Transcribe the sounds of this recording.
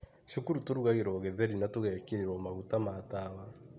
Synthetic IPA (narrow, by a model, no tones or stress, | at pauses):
ʃokuɾutoɾuɣaɣeɾwɔɣɛðɛɾinatoɣɛːkeɾeɾwɔmaɣutamaːtaːwa